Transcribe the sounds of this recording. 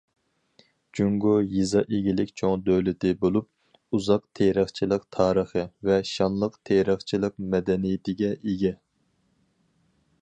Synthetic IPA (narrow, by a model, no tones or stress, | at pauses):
d͡ʒyŋɡojizɑʔeɡʲilɪkʲt͡ʃʰoŋd̪øwlɪt̪ɪbolˠup̚ | uzɑqt̪ʰeɾəχt͡ʃʰilˠəqt̪ʰɑːɾəχəvɛʃɑnlˠəqt̪ʰeɾəχt͡ʃʰilˠəq̚mɛd̪ɛnijɪt̪ɪɡʲɛʔeɡʲɛ